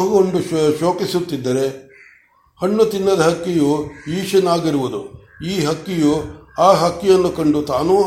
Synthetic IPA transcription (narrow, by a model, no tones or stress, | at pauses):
ɦɡoɳɖuʃo̞ːkisut̪ːid̪ːɐɾe̞ | hɐɳːut̪inːɐd̪ɐɦɐkːijuiːʂɐnaːɡiɾuʋud̪ṵ | iːɦɐkːijuaːɦɐkːijɐnːukɐɳɖut̪aːnuː